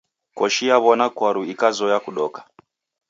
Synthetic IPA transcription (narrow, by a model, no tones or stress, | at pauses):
kɔʃijaβɔnakwaɾuikazɔjakuɗɔkḁ